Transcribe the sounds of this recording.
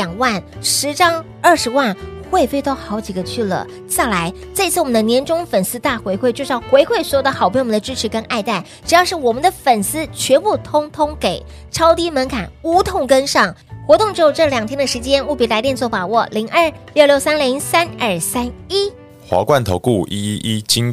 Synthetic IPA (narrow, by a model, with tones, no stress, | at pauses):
ljɑ˨˩ŋwa˥˩nʂɻ̩˧˥ʈ͡ʂɑ˥ŋ | ə˥˩ʂɻ̩˧˥wa˥˩nxwe˥˧ɪfe˥˧ɪt̪ɑ˥˩ʊxɑ˧˥ʊt͡ɕi˨˩ɡə˦t͡ɕʰy˥˩lə̰˩ | t͡sa˥˩ɪla˧˥ɪ | t͡sa˥˩˧i˥t͡sʰɹ̩˥˩wɔ˨mə˦nd̪ə˧njɛ˧˥nʈ͡ʂʊ˥ŋfə˨˩nsɹ̩˥t̪a˥˩xwe˧˥ɪxʰwe˥˧ɪt͡ɕo˥˧ʊʂ̩˥jɑ˥˩xwe˧˥ɪkxwe˥˩ɪswɔ˧˥o˨˧˩d̪ə˦xɑ˨˩pʰwnə˧ʈ͡ʂɻ̩˥ʈ͡ʂʰɻ̩˧˥kə˥nʔa˥˧ɪt̪a˥˩ɪ | ʈ͡ʂɻ̩˨˩jɑ˥˧ʊʂɻ̩˥˩wɔ˨˩mə˨˦nd̪ə˧fə˨˩nsɹ̩˥t͡ɕʰɥɛ˧˥npu˥˩t̪ʰʊ˥ŋt̪ʰʊ˥ŋke˨˩ɪ | ʈ͡ʂʰɑ˥ʊt̪i˥mə˧˥nkʰa̰˨˩˦nu˧˥t̪ʰʊ˥˧ŋkə˥nʂɑ˥˩ŋxwɔ˧˥t̪ʊ˥˧ŋʈ͡ʂɻ̩˧˥jo˧˩ʈ͡ʂɤ˥˩ljɑ˨˩ŋt̪ʰjɛ˥nd̪ə˨ʂɻ̩˧˥t͡ɕjɛ˥nu˥˩pi˧˥la˧ɪt̪jɛ˥˧nt͡swɔ˥˩pa˨˩wɔ˥˩li˧˥ŋʔə˥˩ljo˥˧ʊljo˥˩ʊsa˥nli˧˥ŋsa˥nə˞˥˩sa˥ni˥ | xwa̰˧˥kwa˥˩nt̪ʰo˧˥ʊku˥˩i˥i˥ʔi˥t͡ɕi˦ŋ